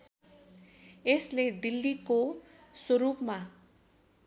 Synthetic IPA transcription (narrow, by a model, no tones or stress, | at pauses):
esled̪ilːiko | swoɾupma